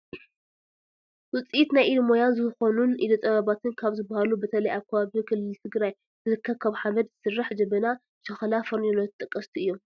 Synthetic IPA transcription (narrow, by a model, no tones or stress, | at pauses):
wɨt͡sʼijit̪najʔilmojanzɨxo̞nunʔilot̪ʼɐβaβat̪ʰɨnkʰaβzɨbːahalubɐt̪ʰɐlɐjʔaβkʰːɐβaβikʰɨlːɨlt̪ʰɨɡɾaj | z̥ɨzɨkʰːɐβkʰaβħaβɐd̪̚zɨsɨrːaħd͡ʒɐbɐna | ʃɐxɐlafɐɾnonot̪t̪ʼɨkʼːɐst̪ʰiɨjːom